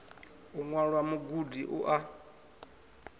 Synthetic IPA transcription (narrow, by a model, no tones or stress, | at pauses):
uŋwaɺwamuɡudiʔuʔa